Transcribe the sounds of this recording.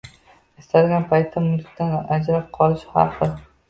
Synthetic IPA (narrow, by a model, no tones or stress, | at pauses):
est̪alɡʲanpʰajt̪ʰːamʊlkʲt̪anad͡ʒɾap̚qʰɒlˠɪʃhɑ̰qɨ